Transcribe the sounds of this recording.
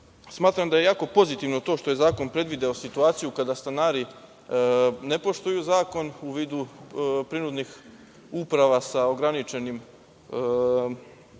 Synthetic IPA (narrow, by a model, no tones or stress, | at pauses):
smaːt̪ɾamd̪aje̞jaːko̞po̞zit̪iʋno̞t̪o̞ːʃt̪o̞je̞zaːko̞npɾe̞d̪ʋid̪eosit̪uaːt̪sijukad̪ast̪anaːɾi | ne̞po̞ʃt̪ujuzaːko̞nuʋiːd̪upɾiɾud̪nix | upɾaʋasao̞ɡɾanit͡ʃe̞nim